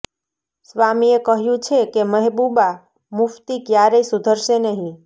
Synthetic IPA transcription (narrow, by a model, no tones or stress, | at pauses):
sʋamiekəɦjũt͡ʃʰekeməɦbuba | muft̪ikjaɾeisud̪ʱəɾʃenəɦĩ